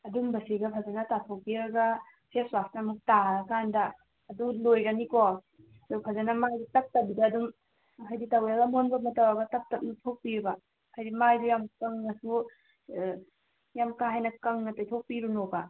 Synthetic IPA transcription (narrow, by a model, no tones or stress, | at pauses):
ɐdumbɐsiɡɐpʰazanɐtatʰok̚piɾaɡa | seswastnamɐk̚takandɐː | dulojɡaniko | dupʰazanɐmajdutɐk̚tɐbidaːduŋ | ɐkʰajditawaɡɐmonbɐmɐtawaɡɐtɐp̚tɐp̚nutʰok̚piɾba | kʰajdimajdujamkɐŋnɐsu | jamkaɦajnɐkɐŋnɐtɐjtʰok̚piɾunoba